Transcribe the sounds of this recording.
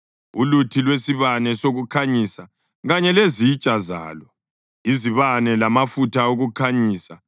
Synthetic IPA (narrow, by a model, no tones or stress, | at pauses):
ulutʰilwesiβanɛsoɣukʰaɲisa | ɣaɲɛlezit͡ʃʼaza̰ːlɔ | iziβanɛlamafutʰaoɣukʰaɲiːsa